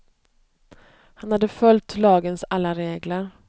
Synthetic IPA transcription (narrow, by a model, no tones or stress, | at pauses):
hanhad̪ːəfœlt̪lɑːɡənsalːaɾeːɡləɾ